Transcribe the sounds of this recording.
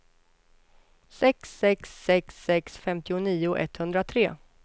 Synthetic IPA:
sɛksːɛksːɛksːɛksfɛmt̪ɪʊniːʊʔɛ̰t̪ːhɵnd̪ɾat̪ʰɾeː

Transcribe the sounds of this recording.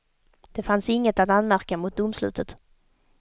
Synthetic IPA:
d̪̥ɛfansɪŋːət̪at̪anmæɾkamʊt̪̚d̪ʊmslʉ̟̰ːt̪ʰət̪

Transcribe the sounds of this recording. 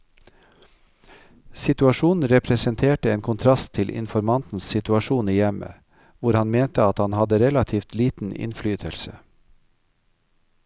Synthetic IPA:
sɪt̪ʉɑʃuːn̩ɾɛpʰɾɛsənt̪ʰeːʈəeːnkʰʊnt̪ʰɾɑst̪ʰɪlʔɪ̰nfɔɾmɑnt̪n̩ssɪt̪ʉɑʃuːniːjɛmə̰ | ʋʊɾhɑnmeːnt̪əɑt̪hɑnhɑd̪əɾɛlɑt̪ʰiːft̪liːt̪n̩ɪ̰nflyːt̪ʰəlsə

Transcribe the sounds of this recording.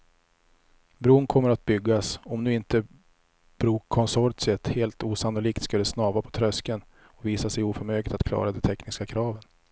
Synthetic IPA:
bɾuːnkʰɔmːəɾat̪̚bʏɡːasɔmnʉ̟ːɪnt̪ə | b̥ɾuːkʰːɔnsɔɾt̪sɪət̪heːlt̪uːsanʊliːkt̪skɵld̪ɛsnɑːvapʰɔ̥t̪ʰɾœskən | ɔviːsasɛjuːfœɾmøːɡlɪt̪at̪kʰlɑ̰ːɾad̪ɛt̪ʰɛknɪskakʰɾɑːvən

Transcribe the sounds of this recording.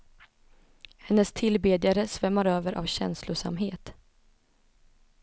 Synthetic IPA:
hɛnːəst̪ʰɪlbeːd̪ɪjaɾəsvɛmːaɾøːvəɾʔa̰vɕɛ̰nslʊʂa̰mɦeːt̪

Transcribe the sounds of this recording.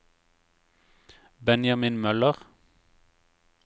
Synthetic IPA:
bɛnjɑminmœləʁ

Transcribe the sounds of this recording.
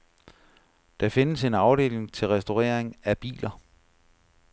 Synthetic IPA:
d̥ɑ̈fe̝nəse̝nɑ̈ʊɾ̥e̝̰ːle̝ŋt͡sʰe̝lʁɛsd̥o̝ʁɛ̰ɐeŋæb̥ḭːlɐ

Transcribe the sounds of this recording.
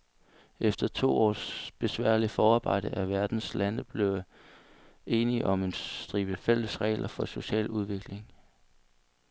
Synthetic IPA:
ʔefd̥ɐt͡sʰo̝̰ːɒ̰ːsb̥e̝sʋæɐ̰lifɒːɑ̈ːb̥ɑ̈ɪ̰d̥əʔæʋæɐd̥n̩slænəb̥le̝ʊ | e̝ːniʔɒ̽me̝nd̥ʁiːb̥əfel̰əsʁɛ̰ɪlʔɐfɒ̽so̝ɕɛ̰ːluð̞ˠʋe̝ɡ̥le̝ŋ

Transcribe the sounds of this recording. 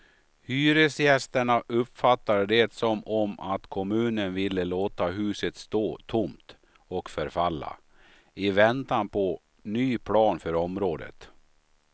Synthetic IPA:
hyːɾəsjɛst̪əɳaʔɵpfat̪ːaɾɖ̪ɛt̪sɔmɔmʔat̪kʰɔmʉ̟ːnənvɪlːəloːt̪aɦʉ̟ːsət̪st̪oːt̪ʰʊmt̪ | ɔkfœɾfalːa̰ | ɪvɛnt̪anpʰɔ | nyːpʰlɑːnfœɾɔmɾoːd̪ə̰t̪

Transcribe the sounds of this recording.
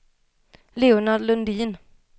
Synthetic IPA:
leʊnad̪lɵnd̪iːn

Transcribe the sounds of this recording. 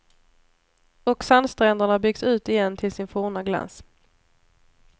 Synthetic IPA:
ɔksanst̪ɾɛnd̪əɳabʏɡsʉ̟ːt̪ɪjɛnːt̪ʰɪlsɪnfuːɳaɡla̰ns

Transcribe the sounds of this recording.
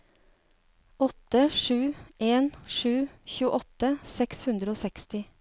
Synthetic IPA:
ʔɔt̪əʂʉːʔeːnʃʉːçʉːəʔɔt̪əsɛkshʉnd̪ɾəoːsɛkst̪ɪ

